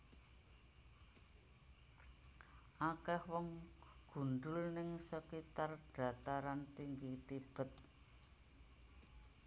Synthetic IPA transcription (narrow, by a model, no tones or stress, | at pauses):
ʔakɛhwɔŋɡ̥ṳɳɖʊlnɪŋsəkit̪arɖ̥a̤t̪aɾant̪iŋɡit̪ib̥ə̤t̪̚